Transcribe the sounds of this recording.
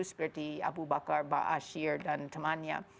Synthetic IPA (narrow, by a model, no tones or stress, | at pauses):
usbərtia̰bubakarba̰ʔaʃiɹdant̪ʰəmania̰